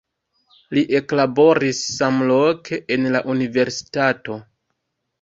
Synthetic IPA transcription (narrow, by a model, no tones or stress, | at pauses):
liʔe̞klabo̞ɾisːamlo̞kʰeʔenlaʔunive̞ɾsi̥tato̞